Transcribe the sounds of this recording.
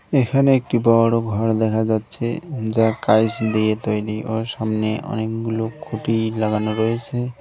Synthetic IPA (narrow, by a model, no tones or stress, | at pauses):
ekʰaneek̚ʈibɔɾoɡʱɔɾd̪ɛkʰad͡ʑatːɕʰed͡ʑakajsd̪ejet̪ojɾiʔoʃamneʔɔ̰nekɡulokʰoʈijlaɡanoɾojet͡ɕʰe